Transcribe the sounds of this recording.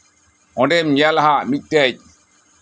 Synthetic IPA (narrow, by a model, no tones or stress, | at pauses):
ʔɔndɛmjalhamitːɛɟ